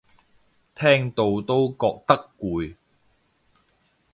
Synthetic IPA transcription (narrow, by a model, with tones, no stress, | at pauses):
t̪ʰɛː˥ŋt̪o˧wt̪o˥wkɔː˧k̚t̪ɐ˥kːuː˨˧j